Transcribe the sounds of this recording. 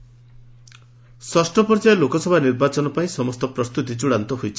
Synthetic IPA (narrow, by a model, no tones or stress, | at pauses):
sɔsʈɔpɔɾd͡ʒajɔlokɔsɔbʱaniɾbat͡ʃɔnɔpaĩsɔmɔst̪ɔpɾɔst̪ut̪it͡ʃuɽant̪ɔɦojt͡ʃʰi̥